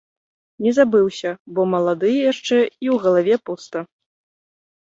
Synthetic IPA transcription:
nʲɛzabɨwsʲɐbɔmɐlˠad̪ɨjɛjaʂt͡ʂɛiwɣɐlˠavʲɛpust̪ɐ

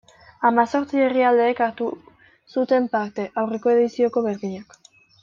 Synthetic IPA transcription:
amaso̞ɾt͡sie̞riald̪e̞ːkaɾt̪u | sut̪e̞mpaɾt̪e̞ʔawre̞ko̞e̞ðisio̞ko̞βe̞ɾðiɲak

